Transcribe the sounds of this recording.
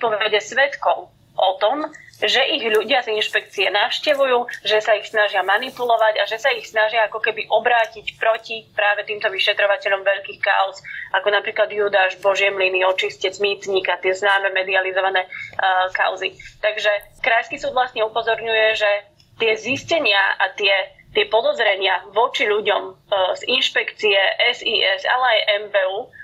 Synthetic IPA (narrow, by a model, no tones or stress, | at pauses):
pɔʋɛɟɛsʋɛt̪kɔʊ | ʔɔt̪ɔmʒɛʔiɣʎuɟɪazinʃpɛk̚t͡siɛnafʃcɛʋujuːʒɛsaixsnaʒɪamanipulɔʋaɟaʒɛsaixsnaʒɪaakɔkɛbiʔɔbɾaːcicpɾɔcipɾaːʋɛt̪iːmt̪ɔʋiʃɛt̪ɾɔʋacɛʎɔmʋɛʎkiːxka̰ɔzʔakɔnapɾiːklad̪jud̪aʒbɔʒɪɛmliniɔt͡ʃiscɛt͡smiːt̪ɲiːkat̪ɪɛznaːmɛmɛd̪ializɔʋanɛːka̰ʊzit̪aɡʒɛ | kɾajskiːsuːd̪vlast̪ɲɛupɔzɔɾɲujɛʒɛ | t̪ɪɛziscɛɲɪaat̪ɪɛ | t̪ɪɛpɔd̪ɔzɾɛɲɪaʋɔt͡ʃiʎuɟɔmzinʃpɛkt͡siɛʔɛziːʔɛza̰lɛajʔɛmbɛːuː